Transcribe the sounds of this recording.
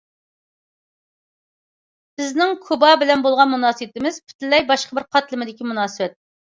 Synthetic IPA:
bɪznɪŋkʰubɑbɪlɛnbolˠʁɑnmunɑːsɨwɪt̪ɪmɪz̥pʰy̥t̪lːɛjbɑʃqəbɪɾqʰɑt̪lɪmɪd̪ɪkʲimunɑːsɨbɛt̪̚ː

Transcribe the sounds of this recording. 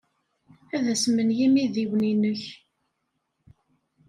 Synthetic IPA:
æðæsmənjimiðiwninəç

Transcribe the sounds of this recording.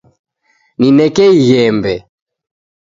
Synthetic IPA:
ninɛkɛiɣɛmbɛ

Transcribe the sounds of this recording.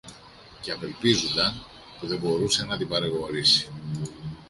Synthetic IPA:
ceɐve̞lpizund̪ɐn | puðe̞bo̞ɾuse̞nɐt̪ibɐɾeɣo̞ɾisi̥

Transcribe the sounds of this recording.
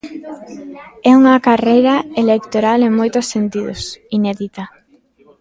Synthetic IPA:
ɛuŋɐkarejɾɐelek̚t̪oɾaleŋmojt̪ʊsːent̪iðʊ̰sinɛðit̪a

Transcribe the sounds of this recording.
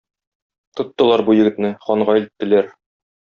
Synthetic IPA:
t̪ŏt̪ːɤ̆lˠɑɾbujɘ̆ɡɘ̆t̪nɘχɒɴʁɑilɘ̆t̪ːɘ̆læɾ

